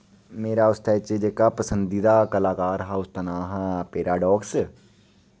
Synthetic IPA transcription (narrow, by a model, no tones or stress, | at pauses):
meːɾaʊst̪ʰaet͡ʃed͡ʒekapəsə̃nd̪id̪akəlaːkaːɾɦaːʊst̪ɐnaːɦãpeːɾaːɖɔːks